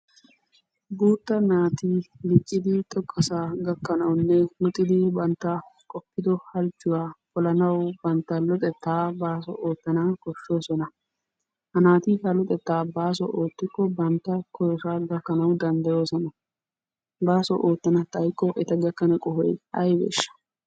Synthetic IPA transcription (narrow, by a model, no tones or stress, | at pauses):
buːt̪ːɐnaːt̪iːlɪt͡ʃʼːɪd̪ɪt̪ʼɔkʼːɐsaːɡɐkːɐnɐwnːɛhʊt̪ʼːɪd̪ɪbɐnt̪ːakʼɔpːɪd̪ɔhɐlt͡ʃːʊwaːkɔlɐnɐwbɐnt̪ːɐlɔt̪ʼɛt̪ːaːbaːs̬ɔ̰ʔoːt̪ːɐnakɔʃːo̞ːsɔnɐ | hɐnaːt̪iːhɐlɔt̪ʼɛt̪ːaːbaːs̬ɔ̰ʔoːt̪ːɪkːɔbɐnt̪ːɐkʰɔɾɔʃaːɡɐkːɐnɐwd̪ɐnd̪ɐjo̞ːsɔnɐ | baːsɔ̰ʔoːt̪ːɐnɐt̪ɐjkːɔʔɛt̪ɐɡɐkːɐnɐkʼɔhɔjɐjbḛːʃːɐ̥